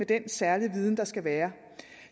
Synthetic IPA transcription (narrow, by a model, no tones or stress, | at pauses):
ed̥ensæɐliʋiːð̞ˠn̩d̥ɑ̈sɡ̥æʋæːɐ